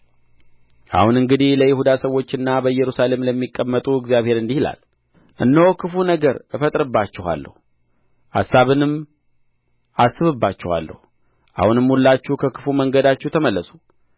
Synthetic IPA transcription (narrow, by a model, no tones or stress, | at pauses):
ʔa̰hunɨŋɡɨd̪ihləjɪhud̪asəwːo̞t͡ʃːɨnːabəɨjɛɾusale̞mləmːikʼːəmːət̪ʼuɪɡzijaβhe̞ɾɨnd̪ihila̰l | ʔɨnːəokʰɨfunəɡəɾɨfət̪ʼɾɨbːat͡ʃːɪha̰lːə̰hu | ʔa̰sːaβɨnɨm | asːɨβɨbːat͡ʃːɪha̰lːə̰hu | ʔa̰hunɨmːhulːat͡ʃːuhkʰəkʰɨ̥fuməŋɡəd̪at͡ʃːɛht̪ʰəməlːəsu̥